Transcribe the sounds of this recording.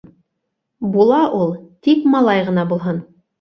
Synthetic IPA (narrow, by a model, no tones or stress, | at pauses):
bulˠɑʔulˠt̪ikmɑlˠɑjʁɤ̆nɑbulˠɦɤn